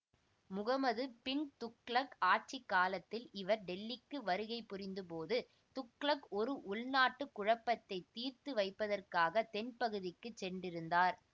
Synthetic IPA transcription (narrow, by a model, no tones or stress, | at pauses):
mʊɣɐmɐðɯpɪɳt̪ʊkːɭɐkaːʈ̚t͡ʃikːaːlɐt̪ːɪlɪʋɐɾɖɛlːɪkːɯʋɐɾɯɣɐɪpːʊɾɪnd̪ɯpoːðɯ | t̪ʊkɭɐkɔɾɯʔʊɭnaːʈːɯkːʊɻɐpːɐt̪ːɐɪt̪ːiːɾt̪ɯʋɐɪpːɐðɐrkaːɣɐt̪ɛnpɐɣɯðɪkːɯt͡ʃsɛɳɖɪɾɯnd̪aːɾ